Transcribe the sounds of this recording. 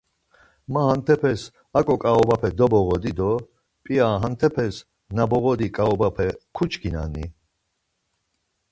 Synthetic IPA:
maɦant̪ʰɛpʰɛs | akʼɔkʼaɔbapʰɛd̪ɔbɔɣɔd̪id̪ɔ | pʼiaɦant̪ʰɛpʰɛs | nabɔɣɔd̪ikʼaɔbapʰɛkʰut͡ʃkʰina̰nḭ

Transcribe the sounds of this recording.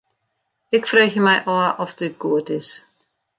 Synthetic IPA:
ɪkfreːçəmɛjʔɔːʔɔfdɪɡ̥uətɪs

